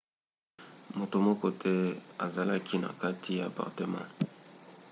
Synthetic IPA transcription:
mo˨to˨mɔ˦kɔ˦tʰɛ˦a˨za˨la˦kʰi˦na̰˨ka˦tʰi˦ja˨pa̰˨ʁte˨mã̰˦˨

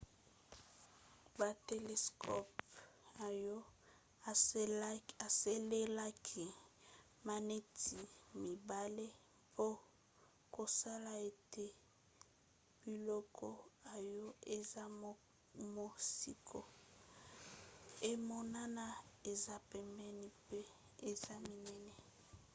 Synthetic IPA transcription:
ba˨te˨le˨skʰɔ˦pa˨jɔ˦˨˦ | a˨se˦le˦la˦kʰi˨ | ma˨ne˦tʰi˨mi˨ba˦le˦ | pʰo˦ | ko˨sa˦la˨e˨te˦ | b̥i˨lɔ˦kʰɔ˦a˨jɔ˦e˨za˦ | mo˦si˨kʰo̰˨ | e˦mo˨na˦na˦e˨za˦pɛ˨mbɛ˦ni˦pe˦ | e˨za˦mi˨nɛ˦nɛ˨

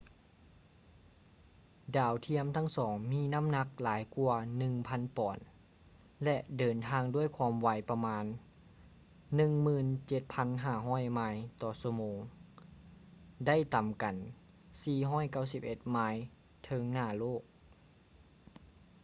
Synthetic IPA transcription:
daː˨˩wt̪ʰi˧˥əmt̪ʰa˧˥˩ŋsɔː˩˦ŋmiː˧˥˨na˥˨mna˧˥k̚laː˨˦jku˧ɐnɯ˧ŋpʰa˧˥˨npɔː˨˩n | lɛ˧ʔdɤː˨˩nt̪ʰaː˧ŋdu˥˩əjkʰwaː˧˥mwa˧˦jpa˧maː˧n | ɯ˧ŋmɯː˧˩nt͡ɕe˧˦t̪̚pʰa˧˥nɦaː˧˥˩ɦɔː˧˥˨jmaː˧˥jt̪ɔː˨˧˦su˧moː˨˧ŋ | da˥˩˨jt̪a˨˩mka˨˩n | siː˧˩ɦɔː˥˨jka˥˩wsi˧˥p̚ʔe˧˦t̪̚maː˧˥j | t̪ʰɤ˧ŋnaː˧˩loː˥˩k̚

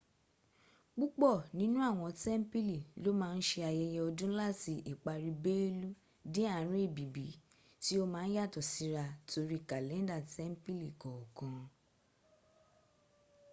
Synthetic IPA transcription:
k͡pu˦k͡pɔ˦˨nĩ˨˦nũ˦a˦˨w̃ɔ̃˧tɛ˦m̩˦pi˦li˦˨lo˦mãː˦˧n̩˦ʃe˧a˧jɛ˧jɛ˧ɔ˧dũ˦la˦˨ti˧ʔi˨k͡pa˧ɾi˧be˦e˦lu˦ | dĩ˦a˦˨˦ɾ̃ĩ˦e˦˨bi˨bi˨˦ | ti˦o˦mãː˦˧n̩˦ja˦˨tɔ˨si˨˦ɾa˧to˧ɾi˦ka˨lɛ̃˨˦n˦da˦˨tɛ˦m̩˦pi˦li˨kɔ˨ɔ˨kɔ̃˨

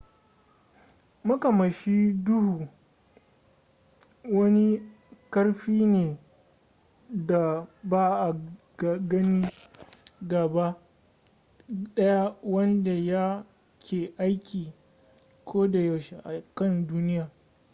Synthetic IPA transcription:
mɐ˦ka˨mɐ˨ʃi˦dʊ˦hu˨ | wɐ˦ni˦ | kɐ˦rɸiː˦neː˨ | da˨baː˦ʔa˨ | ɡɐ˦niː˦ | ɡa˨ba˦ | ɗɐ˦ja˦wɐ˦nda˨ja˦ | kʲʰeː˨ʔa˦jkʲiː˨ | kʷʰoː˦da˨ja˨wʃe˨ʔa˨kɐ˦˨nduː˦nɪ˦jaː˨

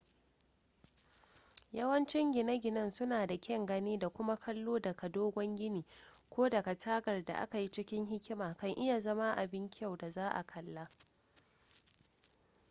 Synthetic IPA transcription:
jɐ˦wɐ˦nt͡ʃɪ˦ŋɡʲɪ˨nɐ˦ɡʲɪ˨nɐ˦˨nsʊ˦naː˨da˨kʲɛ˦ŋɡɐ˦niː˦da˨kʷʊ˦ma˦kʰɐ˦lːoː˦dɐ˨ka˨doː˦ɡʷɔ˦ŋɡʲɪ˦niː˨kʷoː˦dɐ˨ɡa˨tʰaː˦ɡɐ˨rda̰˨ʔa̰˦ka˨ji˦t͡ʃɪ˦kʲɪ˦ŋɦɪ˦kʲɪ˦maː˨kɐ˨ŋʔɪ˦ja˨zɐ˦ma˦ʔa˨bɪ˦ŋkʲɪ˦a˦˨wda˨zaː˦ʔa̰˨kʰɐ˨lːa˦

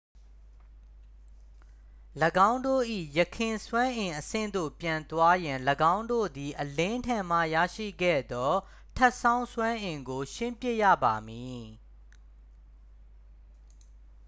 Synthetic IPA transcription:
ləɡã˦ʊ̃ndo̰˦˨ʔḭ˦˨jəkʰɪ̃˨swã˦ʔɪ̃˨ʔəsɪ̰̃˦˨nd̪o̰˦˨pjã˨nt̪wa˦jɪ̃˨nləɡã˦ʊ̃ndo̰˦˨d̪i˨ʔəlẽ˦ntʰɛ̃˨m̥ä̰˦˨jä̰˦˨ʃḭ˦˨ɡɛ̰˦˨d̪ɔ˦ | tʰɛ˦ʔsã˦ʊ̃swã˦ʔɪ̃˨ŋɡo˨ʃɪ̃˦mpjɪ˦ʔjä̰˦˨ba˨mi˨

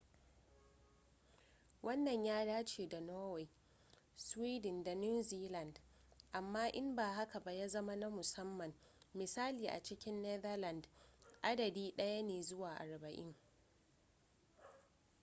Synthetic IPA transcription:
wɐ˦nːɐ˨ɲjaː˦ɽaː˦t͡ʃeː˨da˨noː˦we˨ | swiː˦dɪ˨nda˨nu˦ziː˦lɐ˨nd | ʔa˨mːaː˦ʔɪ˦mbaː˨ha˦ka˨ba˦jaː˦zɐ˦ma˦na˦mʊ˨sɐ˦mːɐ˨mː | ɪ˨saː˦liː˨ʔa̰˨t͡ʃɪ˦kʲɪ˦nːɛ˦ðɐ˦lɐ˨ndʔa˦dɐ˨diː˦ɗɐ˦ja˦neː˨zʊ˦waː˨ʔa˨ɽbɐ˨ʔɪ̰˦ŋ

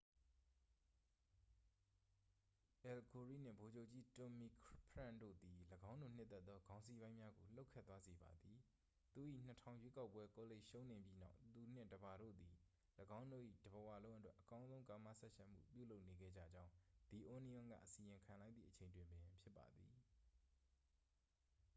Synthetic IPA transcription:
ʔɛ˨lko˨ɹḭ˦˨n̥ɪ̰̃˦˨mbo˨d͡ʑo˦ʊʔt͡ɕi˦to˨mi˨kʰpʰɹã̰˦˨ndo̰˦˨d̪i˨ləɡã˦ʊ̃ndu˨n̥ɪ˦t̪ːɛ˦t̪ːɔ˦ɡã˦ʊ̃nsi˦bã˦ɪ̃mja˦ɡo˨l̥o˦ʊkʰːɛ̰˦t̪ːwa˦ze˨ba̰˨d̪i˨ | t̪u˨ʔḭ˦˨n̥ətʰã˨ʊ̃jwe˦ka˦ʊpːwɛ˦ko˨le˦˨ʔʃõ˦ʊ̃nẽ˨mbji˦na̰˦ʊt̪u˨n̥ɪ̰̃˦˨dəba˨ɾo̰˦˨d̪i˨ | ləɡã˦ʊ̃ndo̰˦˨ʔḭ˦˨d̥̪ə˨bə˨wa̰˦˨lõ˦ʊ̃ʔə˦twɛ˦ʔəkã˦ʊ̃zõ˦ʊ̃ŋka˨ma̰˦˨sɛ˦ʔʃã˦˨m̥ṵ˦˨pjṵ˦˨lo˦ʊʔne˨ɡɛ̰˦˨d͡ʑä̰˦˨d͡ʑã˦ʊ̃d̪̥i˨ʔo˦ni˦ʊ̃˦ŋɡä̰˦˨ʔəsi˨jɪ̃˨ŋkʰã˨lã˦ɪ̃t̪ðḭ˦˨ʔət͡ɕʰẽ˨ɪ̃ndwɪ̃˨mbɛ̃˨pʰjɪ˦pːa̰˨d̪ði˨

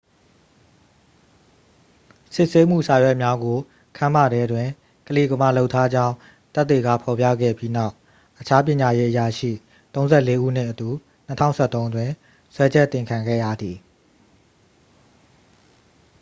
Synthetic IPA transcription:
sɪ˦ʔse˦m̥ṵ˦˨sa˨jwɛ˦ʔmja˦ɡo˨ | kʰã˨m̥a˦˨ɾɛ˦dwɪ̃˨ | kəle˦˨ɡə˨ma̰˦˨lo˦ʊtʰːa˦d͡ʑã˦ʊ̃ | t̪t̪ːe˨ɡa̰˦˨pʰɔ˨pjä̰˦˨ɡɛ̰˦˨bji˦na˦˨ʊ | ʔət͡ɕʰa˦p̬jɪ̃˨ɲa˨je˦ʔəja˨ʃḭ˦˨ | t̪õ˦ʊ̃nzɛ˦˨le˦ʔṵ˦˨n̥ɪ̰̃˦˨ʔətu˨ | n̥ətʰã̰˦ʊ̃sɛ˦˨t̪õ˦ʊ̃ndwɪ̃˨ | swɛ˦d͡ʑɛ˦ʔt̪ːɪ̃˨ŋkʰã˨ŋɡɛ̰˦˨jä̰˦˨d̪ði˨

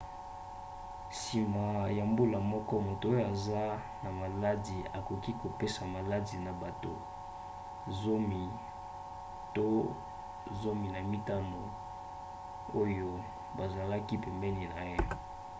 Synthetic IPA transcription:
si˨ma˨ja˨mbu˦la˨mɔ˦kɔ˦mo˨to˨o˦jo˦a˨za˦ | na˨ma˨la˦di˨a˨ko˨ki˦ko˨pe˦sa˨ma˨la˦di˨na˨ba˨to˨ | zo˦mi˨ | to˦ | zo˦mi˨na˨mi˦ta˦no˨ | o˦jo˦ | ba˨za˨la˦ki˦pɛ˨mbɛ˦li˨na˨je˦

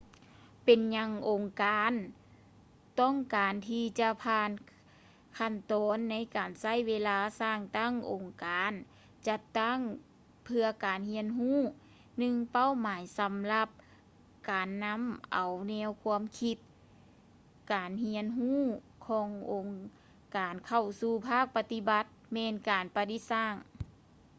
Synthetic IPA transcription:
pe˨nɲa˧˥ŋʔo˨˩ŋkaː˨˧n | t̪ɔ˥˩ŋkaː˨nt̪ʰiː˧t͡ɕa˧pʰaː˧n | kʰa˧˩nt̪ɔː˨˦nːa˧˥jkaː˨˩nsa˧˥˨jweː˧laː˧˥saː˧˩ŋt̪a˥˩˨ŋʔo˨˩ŋkaː˨n | t͡ɕa˧t̪ːa˥˨ŋ | pʰɯ˧ɐkaː˨˩nhi˧˥ənɦuː˥˨ | nɯ˧ŋpa˧˥˨wmaː˨˦jsa˨˦mla˧p̚ | kaː˨nːa˧˥mʔa˨˩wnɛː˧˥˨wkʰu˧˥əmkʰi˧t̪̚ | kaː˨˩nhi˧˥ənɦuː˥˩˨ | kʰɔː˨˦ŋʔo˨˩ŋ | kaː˨˩nkʰa˧˩wsuː˧˩pʰaː˥˩k̚pa˧t̪i˧˥ba˧˦t̪̚mɛː˧nkaː˨˩npa˧t̪i˧˥saː˧˥˩ŋ

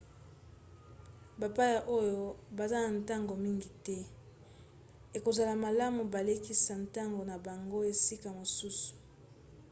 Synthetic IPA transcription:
ba˨pa˦ja˨ʔo˦jo˦ba˨za˦na˨nta˦ŋɡo˨mi˦ŋɡi˨tɛ˦ | e˨ko˨za˨la˨ma˨la˦mu˨ba˨le˦ki˦sa˨n˨ta˦ŋɡo˨na˨ba˨ŋɡo˦e˨si˦ka˨mo˨su˦su̥˨

